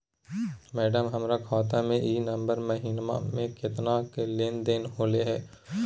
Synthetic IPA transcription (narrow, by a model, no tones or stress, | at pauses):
mɛːɖəmɦɐmɾakʰɔːt̪amẽʔiːnɐ̃mbəɾmɐɦiːnma̰mẽkɪt̪nakelɪnd̪enɦoːleɦɛː